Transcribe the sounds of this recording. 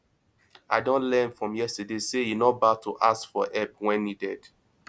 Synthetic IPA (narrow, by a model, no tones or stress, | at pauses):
aɪdõnlɛ̃nfɹɔ̃mjɛstədesejinɔbatuʔaskfɔʔɛpwɛ̃njidɛd̥